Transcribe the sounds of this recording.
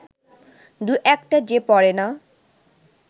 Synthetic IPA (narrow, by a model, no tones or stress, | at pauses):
d̪uʔɛkʈad͡ʑepɔɾena